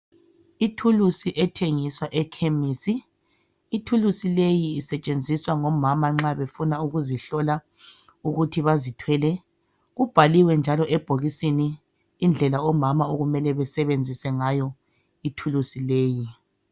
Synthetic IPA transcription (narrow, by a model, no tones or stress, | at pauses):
itʰulusiʔɛtʰeŋiswaʔɛkʰemisiː | tʰulusilejiːsɛt͡ʃʼend͡zʱiswaŋɔmamaŋ͡ǁaβefunauɣuziɬɔla | uɣutʰiβazitʰwɛlɛ | ɣub̥ʱaliwɛnd͡ʒʱalɔʔɛb̥ʱoɣisiniː | nd͡ɮʱɛlaɔmamaoɣumɛlɛβɛsɛβend͡zʱisɛŋajɔ | itʰulusileːji